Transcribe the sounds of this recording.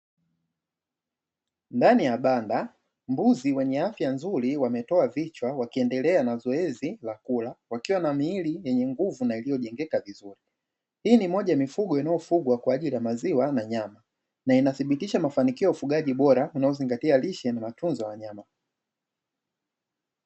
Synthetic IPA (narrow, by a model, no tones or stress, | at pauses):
ndanijaɓanda | mbuziwɛɲɛafjanzuɾiwamɛtɔavit͡ʃwawakiɛndɛlɛanazɔɛzilakulawakiwanamiːlijɛɲɛŋɡuvunailijɔʄɛŋɡɛkavizuɾi | hiːnimɔʄajamifuɡɔinajɔfuɡwakwaːʄilijamaziwanaɲama | nainaθiɓitiʃamafanikiɔufuɡaʄiɓɔɾaunaɔziŋɡatialiʃɛnamatunzɔjawaɲama